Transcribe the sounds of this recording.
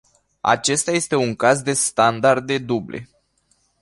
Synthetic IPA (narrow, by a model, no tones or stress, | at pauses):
a̰t͡ʃe̞st̪aje̞st̪e̞uŋkazd̪e̞st̪and̪ard̪e̞d̪ublʔe̞̰